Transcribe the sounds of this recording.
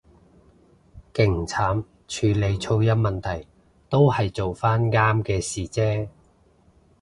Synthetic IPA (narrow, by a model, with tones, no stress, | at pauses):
kɪ˨˩ŋt͡sʰaː˨˥m | t͡ʃʰyː˨˧le˨˧jt͡sʰo˧wjɐ˥t̚mɐ˨nt̪ʰɐ˨˩j | t̪o˥whɐ˨jt͡so˨wfaː˥nŋaː˥mkɛː˧siː˨t͡sɛː˥